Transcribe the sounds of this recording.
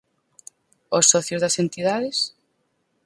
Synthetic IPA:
osːɔθjozðɐsent̪iðaðes

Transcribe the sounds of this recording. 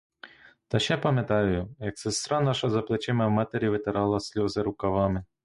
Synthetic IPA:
t̪ɐʃɛpɐmʲjet̪ɑjʊjʊjɐksɪst̪ɾɑnɑʃɐzɐplˠet͡ʃɪmɐwmɑt̪eɾʲiʋɪt̪eɾɑlˠɐsʲlʲɔzeɾʊkɐʋɑmɪ

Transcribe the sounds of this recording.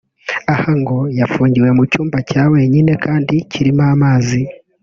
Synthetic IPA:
ahaŋɡo̞jafuːɲɟiwe̞mucuːmbacaːwe̞ːɲine̞kʰaːndiciɾimaːmaːzi

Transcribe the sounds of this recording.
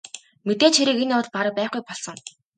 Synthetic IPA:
met̪eːt͡ɕxeɾiːkenʊːt̪̚paɾə̆pæːχɡujpɔɮsɞ̆ŋ

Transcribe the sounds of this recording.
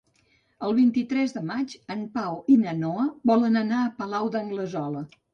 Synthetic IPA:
əlˠβint̪it̪ɾɛzðəmad͡ʒəmpawinənɔəβɔlənənaəpəlawd̪əŋɡləzɔlə

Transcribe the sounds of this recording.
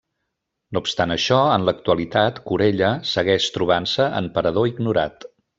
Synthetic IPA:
noupst̪anəʃɔənlək̚t̪uəlit̪at̪kuɾeʎəsəɣɛʃt̪ɾuβ̞ansəə̰mpəɾəðoiɡnuɾa̰t̪

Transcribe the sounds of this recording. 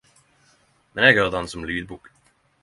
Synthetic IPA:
mɛnɛɡhœːd̪ansɔmlyːd̪̚buːk

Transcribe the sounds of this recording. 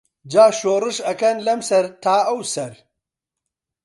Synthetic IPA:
d͡ʒaːʃoːɾɨʂɐkɐnlɐmsɐɾt̪ʰaːɐwsɐɾ

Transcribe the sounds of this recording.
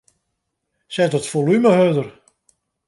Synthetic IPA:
sɛtətfolyməɦødər

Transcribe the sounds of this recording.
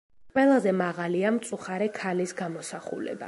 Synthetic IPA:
qʼwɛlˠazɛmaʁaliamt̪sʼuχaɾɛkʰalisɡamɔsaχṵlɛ̰ba̰

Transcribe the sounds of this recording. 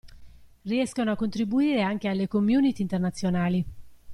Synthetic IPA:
riɛskanoakːont̪ɾibuiːɾeaŋk̟ealːekomːjuːnit̪iːnt̪ernat̪sːjonaːli

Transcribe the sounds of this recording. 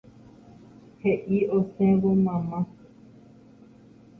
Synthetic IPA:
heʔiosẽβomãmã

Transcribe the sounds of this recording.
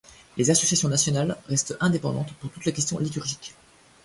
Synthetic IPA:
lezasɔsjasjɔ̃nasjɔnalʁɛst̪ɛ̃d̪epɑ̃d̪ɑ̃t̪puʁt̪ut̪lekʲɛst̪ʲjɔ̃lit̪yʁʒik

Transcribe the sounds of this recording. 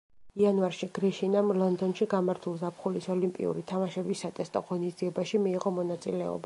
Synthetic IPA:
ianvaɾʃiɡ̥ɾiʃinamlˠɔnd̪ɔnʃiɡamaɾt̪ʰulˠzapχulisɔlimpʼḭṵɾit̪ʰamaʃɛbisːat̪ʼɛst̪ʼɔ̰ʁɔnisd̪ziɛbaʃimiːʁɔmɔnat̪sʼḭlɛɔ̰ba

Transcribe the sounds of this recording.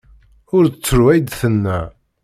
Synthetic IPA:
ʊɾət͡sːəɾwæjd̪θənːæ

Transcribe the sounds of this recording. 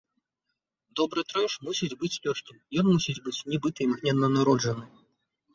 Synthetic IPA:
d̪ɔbɾɨt̪ɾɛjʂmusʲid͡zʲbɨt͡sʲlʲɔʂkʲimjɔnmusʲid͡zʲbɨt͡sʲnʲɛbɨt̪ɨjmɣnʲɛd̪ɐnɐɾɔd͡ʐɐnɨ

